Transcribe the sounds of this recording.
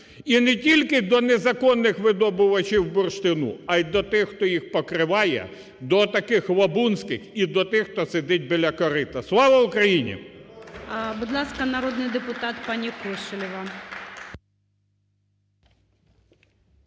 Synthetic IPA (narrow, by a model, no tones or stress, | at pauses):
inɛtʲilʲkɪd̪ɔnɛzɐkɔnːɪxʋɪd̪ɔbʊʋɐt͡ʃʲiwbʊrʃt̪ɪnṵɐjd̪ɔt̪ɪxxt̪ɔjixpɔkɾɪʋɑjɛ̰ | d̪ɔt̪ɐkɪxʋɐbunsʲkɪxid̪ɔt̪ɪxt̪ɔsed̪ɪt̚ʲbɪlʲɐkɔɾɪt̪ɐslˠɑʋɐʊkɾɐjinʲḭ | bʊd̪lˠɑskɐnɐɾɔd̪nɪjd̪epʊt̪ɑt̪pɑnʲikɔʃɪlʲɪʋɐ